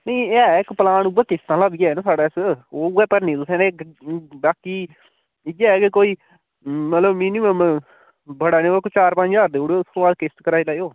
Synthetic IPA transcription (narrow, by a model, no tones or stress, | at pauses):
nəiɛːɪkpəlaːɳubəɾk̪ɪst̪ãːlabiɛːnãsaːɽaːɪsoːɛːpəɾniːt̪ʊsɛ̃ːd̪ekbaːkiː | d͡ʒɛːkekoːiː | mət̪ləbmiːnɪməm | bəɽaːniːkot͡ʃaːɾpə̃ɲd͡ʒaːɾd̪eːoːɽoʊskõːbaːd̪kɪst̪kəɾaːilaːjoː